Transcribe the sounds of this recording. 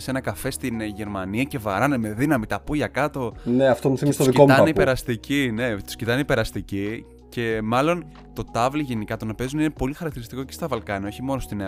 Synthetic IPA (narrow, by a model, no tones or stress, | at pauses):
se̞nɐkɐfe̞st̪inʝe̞ɾmɐniɐce̞vɐ̰ɾɐneme̞ðinɐmit̪ɐpuʝɐkɐt̪o̞neɐft̪o̞muθimisst̪osðikot̪ɐneipeɾɐst̪icine̞t̪u̥scit̪ɐneipe̞ɾɐst̪ici | ce̞mɐlo̞n | t̪o̞t̪ɐvliʝenikɐt̪o̞nɐpe̞zunine̞po̞lixɐɾɐk̚t̪iɾist̪ikocest̪ɐvɐlkɐniɐo̞çimo̞nost̪ine